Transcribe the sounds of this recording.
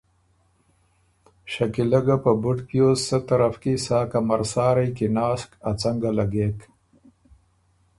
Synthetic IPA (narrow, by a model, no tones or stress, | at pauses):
ɕakilaɡapəbʊʈpjossat̪aɾafkisaːkamaɾsɑːɾajkinɑːskat͡saŋɡalaɡeːk